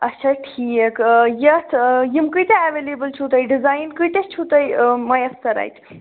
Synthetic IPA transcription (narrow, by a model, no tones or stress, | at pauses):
ɐtːʃʰaʈʰiekjɐt̪ʰjimkɨjt̪eaʋelebəlt͡ʃʰut̪ɐjɖizajnkɨjt̪et͡ʃʰut̪ɐjmɐjɐsːɐɾa̰jt̪